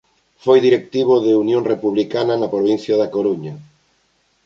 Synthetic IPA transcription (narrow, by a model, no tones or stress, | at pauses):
fojðiɾek̚t̪iβoðeunjõŋrepuβlikanɐnɐpɾoβ̞inθjaðakoɾuɲɐ